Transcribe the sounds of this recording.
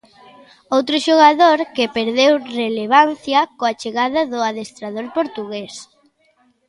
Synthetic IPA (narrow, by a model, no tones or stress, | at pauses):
owt̪ɾʊʃoɣaðoɾkɪpeɾðewreleβ̞an̟θjɐkoat͡ʃeɣaðɐðʊaðest̪ɾaðoɾpoɾt̪uɣes